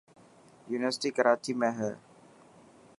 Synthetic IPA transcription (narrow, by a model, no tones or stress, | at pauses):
juniʋəsi̥tikəɾat̪ʰimɛ̃ɦə